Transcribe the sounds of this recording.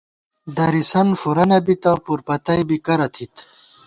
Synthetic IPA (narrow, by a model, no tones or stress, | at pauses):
d̪ɐɾisɐnfuɾɐnɐbit̪ɐpuɾpɐt̪ɐjbikɐɾɐt̪ʰit̪